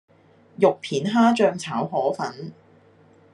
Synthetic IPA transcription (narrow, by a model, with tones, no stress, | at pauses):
jʊ˨k̚pʰiː˨˥nɦaː˥t͡ʃœː˧ŋt͡sʰaː˨˥wɦɔː˨˥fɐ˨˥n